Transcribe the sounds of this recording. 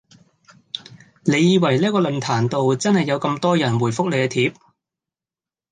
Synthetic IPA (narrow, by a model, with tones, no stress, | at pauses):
le˨˧jiː˨˧wɐ˨˩jliː˥kɔː˧lɵ˨nt̪ʰaː˨˩nt̪o˨wt͡sɐ˥nhɐ˨jːɐ˨˧wkɐ˧mt̪ɔː˥jɐ˨˩nwuː˨˩jfʊ˥k̚le˨˧jkɛ˧t̪ʰiː˨˥p̚